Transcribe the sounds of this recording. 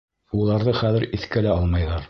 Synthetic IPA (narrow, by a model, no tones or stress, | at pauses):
ulˠɑɾðɤχæðɘɾiθkælæɑlˠmɑjðɑɾ